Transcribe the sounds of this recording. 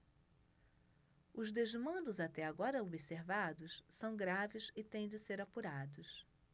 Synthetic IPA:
ʊzd̪ezmɐ̃nd̪ʊzat̪ɛaɡɔɾɐobiseɾvad̪ʊssɐ̃w̃ɡɾavɪsɪt̪ẽj̃d͡ʒɪseɾapuɾad̪ʊs

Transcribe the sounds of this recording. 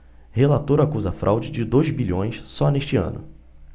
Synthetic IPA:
helat̪oɾakuzɐfɾʔa̰wd͡ʒɪd͡ʒɪd̪ojzbiʎõj̃ssɔneʃt͡ʃɪɐ̰̃nʊ̰

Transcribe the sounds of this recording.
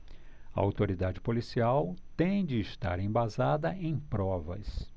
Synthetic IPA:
ɐa̰wt̪oɾid̪ad͡ʒɪpolisiawt̪ẽj̃d͡ʒɪːʃt̪a̰ɾẽbazad̪ɐʔẽj̃pɾɔvɐs

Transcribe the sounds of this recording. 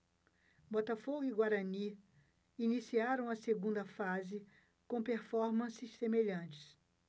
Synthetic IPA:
bɔt̪afoɡʊiɡwaɾɐni | inisiaɾɐ̃w̃ɐseɡũnd̪ɐfazɪ | kõpeɾfɔɾmɐ̃sɪsːemeʎɐ̃t͡ʃɪ̥s

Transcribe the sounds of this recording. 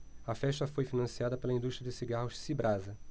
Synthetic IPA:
ɐfɛʃt̪ɐfojfinɐ̃siad̪ɐpelɐĩnd̪uʃt̪ɾjɐd͡ʒɪsiɡahʊʃsibɾazɐ

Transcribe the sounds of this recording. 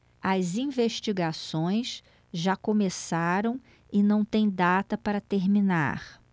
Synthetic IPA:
ɐzĩveʃt͡ʃiɡasõj̃s | ʒakõmesaɾɐ̃w̃ | ɪnɐ̃w̃t̪ẽj̃d̪at̪ɐpaɾɐt̪eɾmina̰χ

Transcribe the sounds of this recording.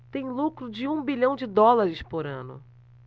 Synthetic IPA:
t̪ẽj̃lukɾʊd͡ʒɪũbiʎɐ̃w̃d͡ʒɪd̪ɔlaɾɪspoɾɐ̰̃nʊ̰

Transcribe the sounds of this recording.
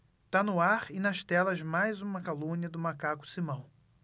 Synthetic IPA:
t̪anʊaɾɪnɐʃt̪ɛlɐzmajzũmɐkalũniɐd̪ʊmakakʊ̥simɐ̃w̃

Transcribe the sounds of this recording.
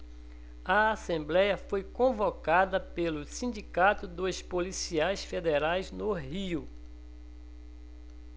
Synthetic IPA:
ɐasẽmblɛjɐfojkõvokad̪ɐpelʊsĩd͡ʒikat̪ʊd̪ospolisiajsfed̪eɾajznʊɦiʊ

